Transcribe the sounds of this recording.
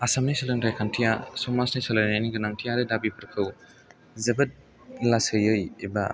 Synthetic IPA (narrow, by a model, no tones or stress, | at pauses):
ɐsamnisɯlɯŋtʰajkʰantʰijasomasnajsalajnaniɡɯnaŋtʰijaɾedabipʰɯɾkʰɯw | zebɯt̚ | lasɯjɯjiba̰